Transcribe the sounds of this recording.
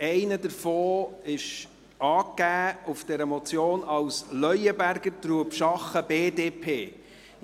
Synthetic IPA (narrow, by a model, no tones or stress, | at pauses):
ɛɪnəd̪əɾfoːɪʃ | ɑːkːæːʊfd̥ɛɾəmɔt͡sjoːnɑwslœjəbæɾɡəɾtɾuːəpʃɑχːəbeːdeːpʰeː